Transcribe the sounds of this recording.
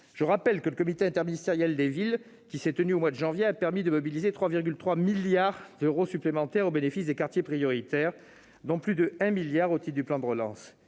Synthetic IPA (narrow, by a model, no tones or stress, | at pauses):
ʒ̥əʁapɛlkələkɔmit̪eɛ̃t̪ɛʁminist̪eʁjɛld̪evil | kʲisɛt̪ənyomwad̪əʒɑ̃vjeapɛʁmid̪əmɔbilizet̪χwaviʁɡʲylt̪χwamiljaʁd̪øʁosyplemɑ̃t̪ɛʁobenefisd̪ekaʁt̪jepχijɔʁit̪ɛʁ | d̪ɔ̃plyd̪əɛ̃miljaʁot̪id̪yplɑ̃d̪əʁəlɑ̰̃s